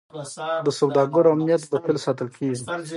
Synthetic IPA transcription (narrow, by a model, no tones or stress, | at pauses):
d̪əsawd̪ɑɡəɾoamnijat̪̚bəpelsɑt̪əlkʰeʐi